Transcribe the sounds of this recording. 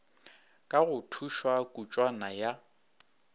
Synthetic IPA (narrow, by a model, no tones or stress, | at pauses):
kʼaɣʊtʰuʃwakʼut͡ʃʼwanaja